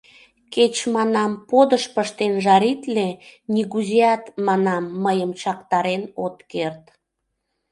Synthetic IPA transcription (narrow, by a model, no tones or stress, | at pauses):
ket͡ɕmɑnɑmpod̪əʃpəʃt̪enʒɑɾit̪lenʲiɣuzeɑt̪mɑnɑmːəjəmt͡ɕɑkt̪ɑɾenot̪kert̪